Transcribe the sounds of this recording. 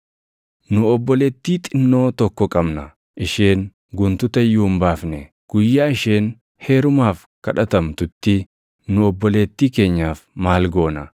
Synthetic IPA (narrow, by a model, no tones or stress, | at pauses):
nʊɔbːɔleːt̪ːiːt̪ʼɪnːo̞ːt̪ɔkːɔkʼɐbnɐ | ʔɪʃeːn | ɡʊnt̪ʊt̪ɐjːʊːmbaːfnɛ | ɡ̥ʊjːaːɪʃe̞ːn | he̞ːɾʊmaːf | kɐᶑɐt̪ɐmt̪ʊt̪ːɪ | nʊɔbːɔleːt̪ːiːke̞ːɲːaːfmaːlɡo̞ːnɐ